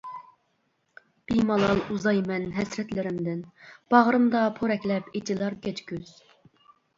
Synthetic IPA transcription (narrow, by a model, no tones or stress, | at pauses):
b̥imɑlˠɑlˠuzɑjmɛnɦɛsɾɛt̪lɪɾɪmd̪ɪnb̥ɑʁɾɨmd̪ɑpʰoɾɛkʲlɛpit̪ʰilˠɑɾkʲɛt͡ʃ̪kʲyz̥